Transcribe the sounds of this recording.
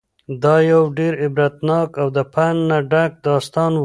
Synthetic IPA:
d̪ɑjawɖeɾɪbɾat̪nɑkawd̪əpʰanːaɖak̚d̪ɑst̪ɑn

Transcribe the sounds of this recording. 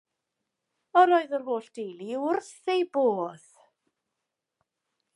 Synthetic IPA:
ɔɾoːɨðərɦoːɬd̥ejliʊrθejboːð̥

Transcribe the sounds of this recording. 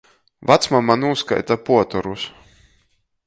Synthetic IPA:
vat̪smamanuska̰jt̪apuɔt̪ɔɾus

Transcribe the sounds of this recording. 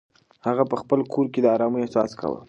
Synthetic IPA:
haɣapəxpəlkʰoɾked̪əɑɾɑməjasɑ̰skʰa̰wə̰

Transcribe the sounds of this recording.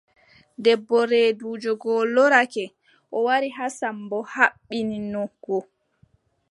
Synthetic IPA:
dɛbːɔɾeːduːd͡ʒɔɡɔlːɔɾakɛ | ʔɔwaɾiɦasambɔhaɓːininɔɡ̥ɔ

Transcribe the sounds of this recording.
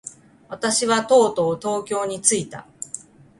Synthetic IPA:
βat̪aɕiβat̪o̞ːt̪o̞ːt̪o̞ːkʲo̞ːɲ̟it͡sɨit̪a̰

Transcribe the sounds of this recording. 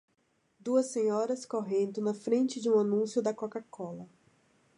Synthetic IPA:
d̪uɐsːẽɲɔɾɐskoɦẽnd̪ʊnɐfɾẽnt͡ʃɪd͡ʒɪũanũsjʊd̪ɐkokakɔlɐ

